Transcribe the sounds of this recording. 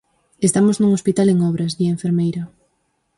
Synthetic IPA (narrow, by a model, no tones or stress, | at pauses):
est̪amoznũŋospit̪aleŋɔβɾɐzðieɱfeɾmejɾa